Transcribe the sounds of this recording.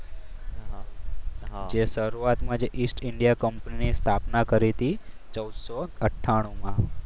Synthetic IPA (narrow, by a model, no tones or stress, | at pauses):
d͡ʒeʃəɾuat̪mãd͡ʒeʔisʈɪɳɖijakəmpəninist̪ʰapnakəɾit̪i | t͡ʃəwd̪sɔəʈʰːaɽ̃ũmã